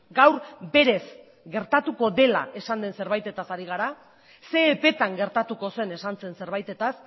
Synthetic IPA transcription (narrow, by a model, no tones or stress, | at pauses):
ɡawɾbe̞ɾe̞s | ɡe̞ɾt̪at̪uko̞ðe̞la̰e̞sand̪e̞nse̞ɾβajt̪e̞t̪asaɾiɣ̞aɾa | se̞ːpe̞t̪aŋɡe̞ɾt̪at̪uko̞se̞ne̞sant͡se̞nse̞ɾβ̞ajt̪e̞t̪as